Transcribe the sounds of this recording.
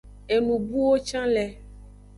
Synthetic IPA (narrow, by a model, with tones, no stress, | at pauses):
e˨nũ˨bu˦wo˦t͡ʃã˦lɛ˨